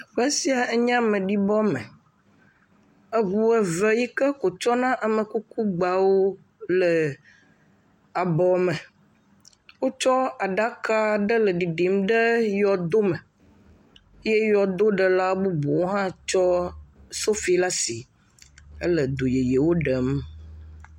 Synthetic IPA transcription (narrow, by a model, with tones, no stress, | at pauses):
ɸɛ˦si˨a˨ɛ˦ɲ˦ã˦mə̃˨ɖi˦bɔ˦mə̰˨ | ə˦ɡu˨ɛ˨və˦ji˦kə˦ko˨t͡ʃɔ˦nã˦ʔa˨mə̃˨ku˦ku˦ɡ͡ba˨wo˦ | lə˨ | a˨bɔ˨mə̃˨ | wo˦t͡ʃɔ˦a˨ɖa˦ka˦ɖə˦lə˨ɖi˨ɖi˨mɖə˦jɔ˨d̪o˦mə˨˦ | je˦jɔ˨d̪o˦ɖə˨la˦bu˦bo˨wo˦ɦã˦t͡ʃɔ˦so˦fi˨la˦si˨ | ə˦lə˨d̪o˨je˨je˨wo˦ɖə˨m